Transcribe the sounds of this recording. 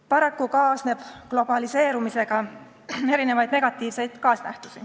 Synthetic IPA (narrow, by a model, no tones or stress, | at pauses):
pɑɾɑkːukɑːsne̞b̥klo̞b̥ɑlise̞ːɾumise̞ɡ̥ɑ | e̞ɾine̞vɑjd̪ne̞ɡ̥ɑt̪ːˑiːvse̞jd̪̥kɑːsnæht̪u̥si